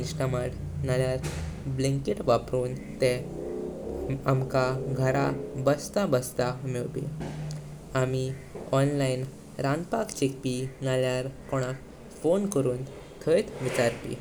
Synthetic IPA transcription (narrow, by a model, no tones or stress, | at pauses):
nsʈəmaʈnaljaɾblẽŋkiʈʋapɾuːnt̪ɛ̃ | amkaɡʱəɾabəst̪abəst̪amiɭpḭ | ami | ɔnlain | ɾãnpakt͡ɕek̚pinaljaɾkɔɽ̃ak | fonkəɾuːn | t̪ʰəjt̪ʋit͡ɕaɾpḭ